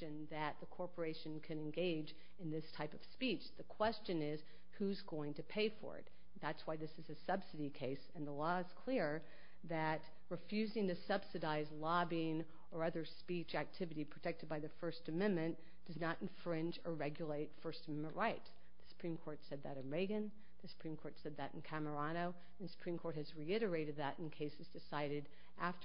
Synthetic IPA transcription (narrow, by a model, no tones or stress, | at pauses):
ɨ̃nðɨt̪̚ðɨkʰɔɹpə˞eɪʃɨ̃nkʰɨ̃ɾɨ̃nɡeɪd͡ʒ | ɨ̃nðɪstʰaɪpʌv̥spit͡ʃðɨkʰw̥ɛst͡ʃɨ̃nɪz̥ | huzɡoʊɪ̃ŋtɨpʰeɪfə̰˞ɨ̰t̪̚ | ðætswaɪðɪsɨzɨsʌb̥sɨɾikʰeɪsɨ̃nðəlɔɨz̥kʰl̥ɪɹ | ðɨt̚ | ɹɨfjʉzɪ̃ŋtɨsʌb̥sɨɾaɪzlɑbiɪ̃ŋ | ə˞ʌðə˞spit͡ʃæk̚tʰɪvɨɾipʰɹ̥ɨtʰɛk̚tɨd̚baɪðɨfɜ˞stɨmɛ̃nmɨ̃n | d̥ʌznəɾɨ̃ɱfɹɪ̃nd͡ʒə˞ɹɛɡjəleɪtfɜ˞stəmɛ̃mə̃nʔɹaɪt̪ | ðɨsə̥pʰɹ̥ĩmkʰɔɹtsɛd̪̚ðɨɾɨ̃nɹeɪɡɨ̃n | ðɨsə̥pʰɹ̥ĩmkʰɔɹtsɛd̪̚ðɨɾn̩kʰæmə˞ɑñoʊ | sə̥pʰɹ̥ĩmkʰɔɹt̚hɨzɹiɪɾə˞eɪɾɨd̪̚ðəɾ̃n̩kʰeɪsɨzdɨsaɪɾɨɾ | ʔæft